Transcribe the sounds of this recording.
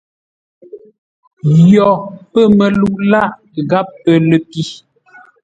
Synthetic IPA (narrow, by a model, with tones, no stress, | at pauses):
jɔ˨pə˦˨mə˨lu˦˨ʔla˦ʔ | ɣa˦pːə˨lə˨ki˦